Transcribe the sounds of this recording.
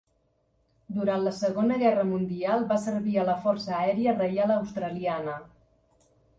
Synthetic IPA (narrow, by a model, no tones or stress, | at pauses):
d̪uɾant̪ləsəɣonəɣɛrəmund̪ialˠβasəɾβiələfɔrsəːɛɾiərəjaləwst̪ɾəlianə